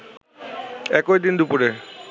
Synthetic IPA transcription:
ɛkojd̪ind̪upuɾe

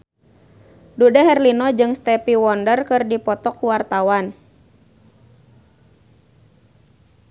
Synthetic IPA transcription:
dudɛɦɛrlinɔd͡ʒɨŋst̪ɛpiwɔndərkɨrdipɔt̪ɔkuwart̪awan

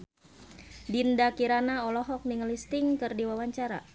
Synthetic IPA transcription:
dindakiɾanaɔlɔɦɔk̚niŋəlist̪ɪŋkɨrdiwawaɲt͡ʃaɾa̰

